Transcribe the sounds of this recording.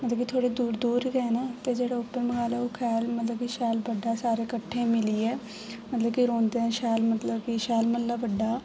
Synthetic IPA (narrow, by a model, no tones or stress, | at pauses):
mət̪ləbkit̪ʰoːɽeːd̪uːɾd̪uːɾɡɛenaːt̪eːd͡ʒeːɽaːʊpːəɾməɡaːlɛːoːkʰɛːlmət̪ləb̚kiʃɛːlbəɖːaːsaːɾeːkəʈʰːẽːmɪliːɛː | mət̪ləbkiɾõːnd̪eːɛ̃ːʃɛːlmət̪ləbkiʃɛːlməllːaːbəɖːaː